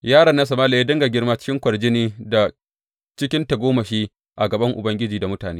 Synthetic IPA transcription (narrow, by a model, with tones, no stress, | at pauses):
jaː˦ɽɐ˨nːa˦s̬ɐ˨maː˦la˨jeː˦dɐ˦ŋɡa˨ɡʲɪ˦rmaː˦t͡ʃɪ̥˦kʲɪ˦ŋkʷɐ˨ɽd͡ʒɪ˦neː˦da˨ | t͡ʃɪ˦kʲɪ˦nta˨ɡʷoː˦ma˨ʃiː˦ | ʔa˨ɡɐ˨bɐ˦ŋʔʊ˨bɐ˦ŋɡʲɪ˦d͡ʒiː˨da˨mʊ˦taː˨neː˦